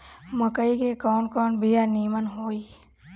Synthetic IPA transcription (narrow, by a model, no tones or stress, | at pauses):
məkəikekɔːnkɔːnbʱijaniːmənɦoːi